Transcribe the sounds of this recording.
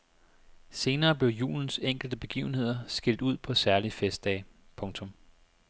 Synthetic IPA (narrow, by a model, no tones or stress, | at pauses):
se̝ːnɐːb̥le̝ʊjṵːln̩seŋ̰ɡ̥l̩d̥əb̥e̝ɡ̥ḭːʊn̩he̝ð̞̰ˠɐsɡ̥el̰d̥uð̞̰ˠpʰɒ̽sæɐlifesd̥ɛː | pʰɔ̽ŋt͡sʰɔ̽m